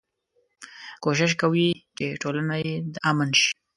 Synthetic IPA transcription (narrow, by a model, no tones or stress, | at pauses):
koʃ̬ɪʃ̬kawit͡ʃeʈolanajed̪əʔamanʃi̥